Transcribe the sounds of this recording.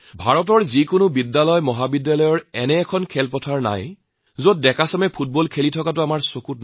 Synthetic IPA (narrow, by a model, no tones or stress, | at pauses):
bʱaɹɔt̬ɔɹzikʊnʊbidːalɔjmɔɦabidːalɔjɔɹɛnɛːkʰɔnkʰɛlpɔtʰaɹna̰j | zot̚dɛkasamɛpʰut̚bɔlkʰelitʰɔkatʊamaɹsokut̚n